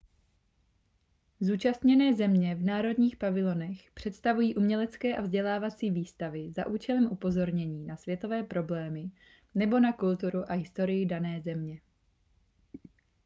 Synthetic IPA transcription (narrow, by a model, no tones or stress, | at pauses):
zuːt͡ʃast̪ɲɛnɛːzɛmɲɛvnaːɾo̞dɲiːxpavɪlo̞nɛxpr̥ɛt̪st̪avujiːʔumɲɛlɛtt͡skɛːʔavzɟɛlaːvat͡siːviːst̪avɪza̰ʔuːt͡ʃɛlɛmʔupo̞zo̞ɾɲɛɲiːnasvjɛt̪o̞vɛːpɾo̞blɛːmɪ | nɛbo̞nakult̪uɾuʔaɦɪst̪o̞ɾɪjɪdanɛːzɛmɲɛ